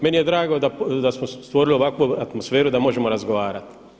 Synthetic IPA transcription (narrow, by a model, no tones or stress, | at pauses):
menije̞d̪ɾaːɡod̪ad̪asmost̪ʋo̞ɾilio̞ʋakʋuat̪mosfeːɾud̪amo̞ʒemoɾazɡoʋaːɾat̪